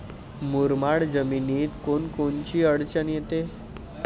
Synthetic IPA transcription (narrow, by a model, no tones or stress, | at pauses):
muɾmaɽd͡zəminiːt̪konkont͡ɕiːəɽt͡ɕənjet̪e